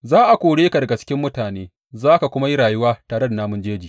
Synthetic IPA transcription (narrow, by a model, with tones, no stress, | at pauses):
zaː˦ʔa˨kʷoː˨ɽeː˦ka˨dɐ˨ɡa˨t͡ʃɪ̥˦kʲɪ˦mːʊ˦taː˨neː˦ | zaː˦ka˨kʷʊ˦ma˦ji˦ɽaː˨jwaː˦taː˨ɽɛ˦da˨naː˦mʊ˦nd͡ʒeː˦d͡ʒiː˨